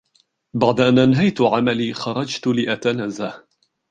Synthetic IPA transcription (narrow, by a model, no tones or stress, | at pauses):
baʕd̪aʔanʔanɦajt̪ʊʕamaliːxɑɾˤɑd͡ʒt̪lɪʔat̪anaːzah